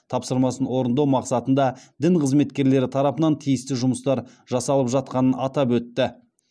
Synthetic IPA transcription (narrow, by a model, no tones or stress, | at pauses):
t̪ʰɑpsəɾmɑsənwo̞ɾənd̪ɑwmɑqsɑt̪ənd̪ɑd̪ɪɴqʰəzme̞t̪kʲe̞ɾle̞ɾɪt̪ʰɑɾɑpənɑnt̪ʰijɪst̪ɪʒʊməst̪ɑɾ | ʒɑsɑlˠəpʒɑt̪̚qɑnənɑt̪ɑpwɵt̪ːɪ